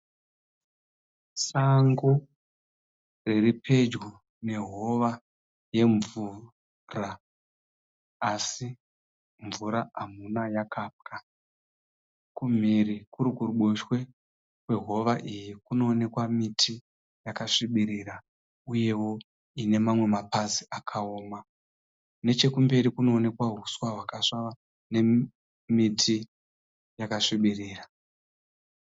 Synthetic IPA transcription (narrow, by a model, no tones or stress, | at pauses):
saŋɡo | re̞ripʰe̞d͡ʒɡo | ne̞ɦo̞ʋa | je̞ɱvu | ra | si | ɱvuɾaamunajakaːp̚ka | kum̤irikuɾikuruɓoʃwe̞ | kwe̞ɦo̞ʋaʔijikuno̞ːne̞kwamitʰi | jakaʂiɓiɾiɾa | uje̞wo̞ | ine̞mamwe̞mapaziʔakʰaoːma | ne̞t͡ʃe̞kumbe̞ɾikuno̞ːne̞kwaɦuswaɦwakaʂaʋa | ne̞ | mitʰi | jakaʂiɓiriːra